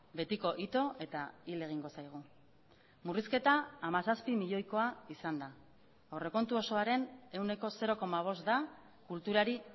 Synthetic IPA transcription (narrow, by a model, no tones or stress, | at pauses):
be̞t̪iko̞ʔit̪o̞e̞t̪aile̞ɣ̞iŋɡo̞sajɣ̞u | muriske̞t̪aːmasaspimiʎo̞jko̞aisand̪a | ore̞ko̞nt̪uo̞so̞aɾe̞ne̞wne̞ko̞se̞ɾo̞ko̞maβ̞o̞st̪d̪a | kult̪uɾaɾi